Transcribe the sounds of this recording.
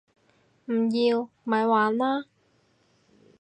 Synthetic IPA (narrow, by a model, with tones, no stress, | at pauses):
m̩˨˩ji˧w | maː˨˦jwaː˨˦nlaː˥